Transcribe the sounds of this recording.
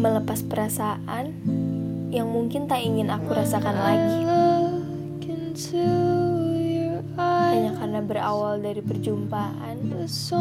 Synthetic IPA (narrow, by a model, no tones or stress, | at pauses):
mələpaspəɾasaʔan | jaŋmuŋkɪnt̪aiŋɪnakuɾasakanlaɡilo | kɛntu | jɔ | aaɲakaɾənabəɾa̰waldaɾipərd͡ʒumpaʔa̰ns